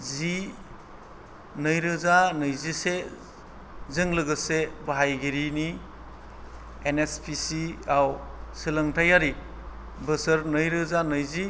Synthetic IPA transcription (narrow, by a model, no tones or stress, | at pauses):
zi | nɯjɾɯzanɯjzise | zɯŋlɯɡɯsebaɦajɡiɾini | enespʰisiawsɯlaŋtʰajaɾi | bɯsəɾnɯjɾɯzanɯjzi